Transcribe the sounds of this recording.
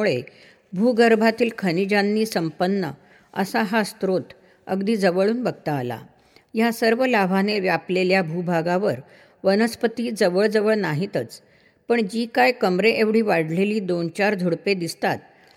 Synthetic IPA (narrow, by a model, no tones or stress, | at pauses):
uɭe | bʱuɡəɾbʱat̪iːlkʰənid͡ʑanːiːsəmpənːə̰ | ə̰saɦast̪ɾot̪ | ə̰ɡd̪iːd͡zəʋəɭuːnbəɡ̚t̪aːla̰ | jasəɾʋəlabʱaneʋjapleljabʱubʱaɡaʋəɾ | ʋənəspət̪iːd͡zəʋəɭd͡zəʋəɭnaɦit̪ət͡s | pəɳd͡ʑiːkajkəmɾeʔeʋɽ̤iːʋaɽ̤leliːd̪ont͡ɕaɾd̪ʱuɽped̪ist̪at̪̚